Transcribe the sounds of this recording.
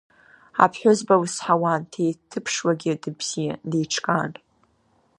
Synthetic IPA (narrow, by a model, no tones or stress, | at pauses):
a̰pʰħʷᶣʊzbawsħawantʰejtʰɨpʰʂwaɡʲɪdɨbz̥ijadejʈ͡ʂʰkʼaːnʼ